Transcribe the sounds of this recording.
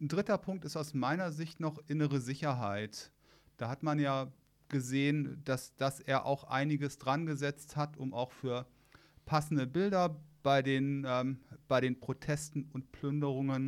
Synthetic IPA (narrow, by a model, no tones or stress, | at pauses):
ndʁɪtɐpʰʊŋk̚tɪstaʊsmaɪnɐzɪçtnɔχʔɪnəʁəzɪçɐɦaɪt | d̥aːhatmanjaː | ɡ̥əzeːənd̥asd̥aseːɐʔa̰ʊxʔa̰ɪnɪɡəsd̥ʁanɡəzɛt͡sthatʊmʔa̰ʊxfyːɐ | pʰasn̩dəbɪldɐb̥aɪdeːnɛːmb̥aɪɾeːnpʁ̥otʰɛstn̩ʊnt̚pʰl̥ʏndəʁʊŋən